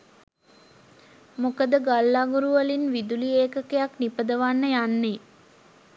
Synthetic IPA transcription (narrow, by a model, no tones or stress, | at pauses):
mukəd̪əɡalːaːɡuɾuʋəlinʋid̪ulieːkəkejaknipəd̪əʋanːəjanːe